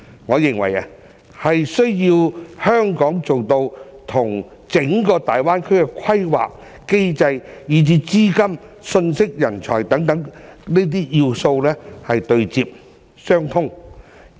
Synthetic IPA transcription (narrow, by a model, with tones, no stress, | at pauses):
ŋɔː˨˧jɪ˨˩ŋwɐ̰˨˩jɐ˨˧ | hɐ˨jsɵ˥ɥji˧whœː˥ŋkɔː˨˥ŋt͡so˨wt̪o˧wt̪ʰʊ˨˩ŋ | t͡sɪ˨˥ŋkɔː˧t̪aː˨jwaː˥nkʰɵ˥ɥkɛ˧kʷʰɐ˥jwa̰ː˨k̚ | ke˥jt͡sɐ˧jjiː˨˥t͡siː˧˥t͡siː˥kɐ˥m | sɵ˧nsɪ˥k̚jɐ˨˩nt͡ʃʰɔ̰ː˨˩jt̪ɐ˨˥ŋt̪ɐ˨˥ŋne˥t̪̬iː˥jiː˧wso˧wlɛː˥hɐ˨jt̪ɵ˧ɥt͡siː˧p̚ | sœː˥ŋt̪ʰʊ˥ŋ